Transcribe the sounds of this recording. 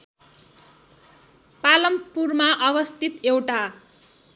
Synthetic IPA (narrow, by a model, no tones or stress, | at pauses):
palʌmpurmaʔʌbʌst̪ʰit̪ewʈa